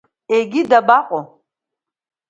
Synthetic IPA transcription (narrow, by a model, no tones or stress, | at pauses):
eɡʲidɐbaːqʷʼʊ